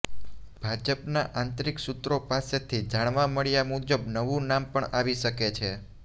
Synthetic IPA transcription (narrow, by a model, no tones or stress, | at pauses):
b̥ʱad͡ʒəpnaʔant̪ɾiksut̪ɾopaset̪ʰid͡ʒaɽ̃ʋaməɭjamud͡ʒəbnəʋũnampəɳaʋiʃəket͡ʃʰe